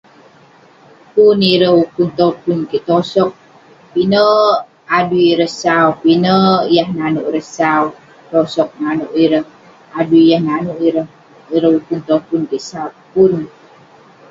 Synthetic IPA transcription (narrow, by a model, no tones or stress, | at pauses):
puniɾəukunt̪opunkiʔt̪osɔk̚ | pinə | aduiɾəhsaupinəjahnanuʔɾəsau | t̪osɔk̚nanuʔiɾəh | aduijahnanuʔiɾəh | iɾəɦukunt̪opunkiʔsaupun